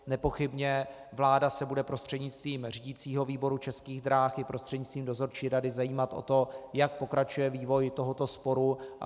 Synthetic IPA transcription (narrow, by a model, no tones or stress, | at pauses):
nɛpo̞xɪbɲɛ | vlaːdasɛbudɛpɾo̞st̪r̥ɛdɲɪt͡st̪viːmr̝iɟit͡siːɦo̞viːbo̞ɾut͡ʃɛskiːɣd̪ɾaːxɪpɾo̞st̪r̥ɛdɲɪt͡st̪viːmdo̞zo̞ɾt͡ʃiːɾadɪzajiːmat̪ʔo̰t̪o̞jak̚po̞kɾat͡ʃujɛviːvo̞jt̪o̞ɦo̞t̪o̞spo̞ɾu